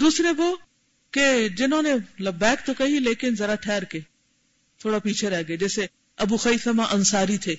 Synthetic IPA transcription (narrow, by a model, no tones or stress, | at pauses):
d̪uːsɾeboː | ked͡ʒɪnõːnemlɐbːɛːkt̪okɐɦileːkɪnzɐɾaʈʰɛːɾkeː | t̪ʰoːɽapiːt͡ʃʰeɾɛːɦɡed͡ʒɛːse | ɐbuxɐiːfamãʔɐnsaːɾit̪ʰeː